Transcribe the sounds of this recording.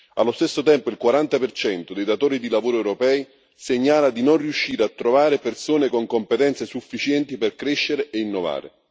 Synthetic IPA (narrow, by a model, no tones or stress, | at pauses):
a̰lːost̪esːot̪ɛmpoilkwaɾant̪apert͡ʃɛnt̪od̪ejd̪at̪oːɾid̪ilavoːɾoɛwɾopɛːj | seɲːaːlad̪inonriuʃːiːɾeat̪ːɾovaːɾepersoːnekoŋkompet̪ɛnt̪sesufːit͡ʃjɛnt̪iperkɾeʃːeɾeʔeinːova̰ːɾḛ